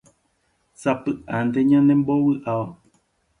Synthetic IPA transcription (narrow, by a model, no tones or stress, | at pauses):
sapɨʔand̪eɲãnẽmbowɨʔao